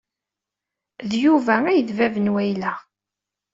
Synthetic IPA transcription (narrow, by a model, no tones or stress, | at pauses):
ðjuvææjðvævənwæjlæ